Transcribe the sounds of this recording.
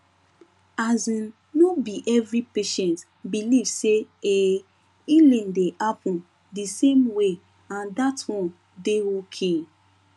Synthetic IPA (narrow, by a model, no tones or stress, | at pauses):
azĩn | nobiʔɛvɾipeʃɛ̃nt | bilivsee | ilẽndehapɔ̃n | disemwe | ãndatwɔ̃n | deokʰe